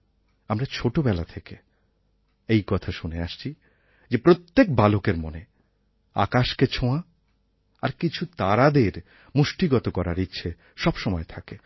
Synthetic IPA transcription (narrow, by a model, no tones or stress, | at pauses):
amɾat͡ɕʰoʈobɛlat̪ʰeke | ejkɔt̪ʰaʃuneaʃt͡ɕʰi | d͡ʑepɾot̪ːek̚balokeɾmone | a̰kaʃket͡ɕʰõa | aɾkit͡ɕʰut̪aɾad̪eɾ | muʃʈiɡɔt̪okɔɾaɾitːɕʰe | ʃɔbʃɔmɔet̪ʰake